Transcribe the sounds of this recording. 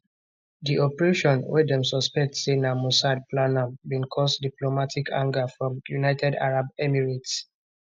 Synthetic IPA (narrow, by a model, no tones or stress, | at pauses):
diʔɔpəɹeʃɔ̃nwɛdɛ̃msɔspɛk̚tsenamusad̚plãnabĩnkʰɔsdiplomatʰikʰã̰ŋɡafɹɔ̃mjunaɪtʰɛda̰ɹabɛmiɹits